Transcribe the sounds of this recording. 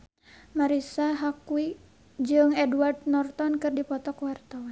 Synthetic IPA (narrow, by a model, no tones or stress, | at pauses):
maɾisaɦakui | d͡ʒɨŋɛduard̪nɔrt̪ɔnkɨrdipɔt̪ɔkwart̪awan